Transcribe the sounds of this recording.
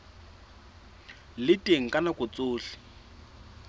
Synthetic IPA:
lɪtʼeŋ̩kʼanakʼʊt͡sʼʊːɬɪ̥

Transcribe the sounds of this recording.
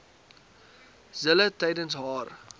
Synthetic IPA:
zələtɐjdənsɦɑːr

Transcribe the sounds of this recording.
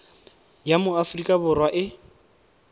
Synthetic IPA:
jamʊafrikʼabʊrwaʔɪ

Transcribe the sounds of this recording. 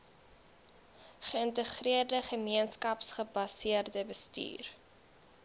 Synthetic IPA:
χəəntəχriərdəχəmiənskɐpsχəbɐsiərdəbəsty̰ːr

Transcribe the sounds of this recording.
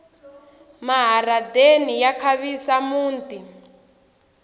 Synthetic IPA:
maɦaradenijakʰaβisamuːnti

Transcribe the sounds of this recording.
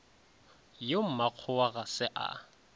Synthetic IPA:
jom̩maq͡χʰʊwaɣasɪʔa̰

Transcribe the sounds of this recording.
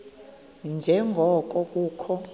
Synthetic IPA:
nd͡ʒʱɛŋʱɔk̬ʼɔk̬ʼuːkʰɔ

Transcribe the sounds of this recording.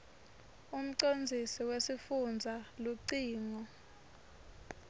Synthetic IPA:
um̩ǀond͡zʱisiwesifund͡zʱaluǀiːŋɔ

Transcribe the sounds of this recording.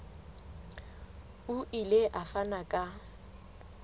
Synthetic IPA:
ʊʔileʔafanakʼa

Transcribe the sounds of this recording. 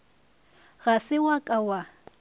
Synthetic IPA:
ɣasɪwakʼawa

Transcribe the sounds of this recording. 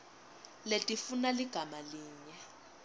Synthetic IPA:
letʼifunaliɡ̥ʱamaliːɲɛ

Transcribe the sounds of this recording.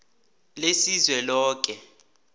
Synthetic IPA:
lesizwɛlɔːk̬ʼɛ

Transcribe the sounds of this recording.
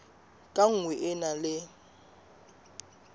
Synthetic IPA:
kʼaŋ̩wɛʔɪnalɪ

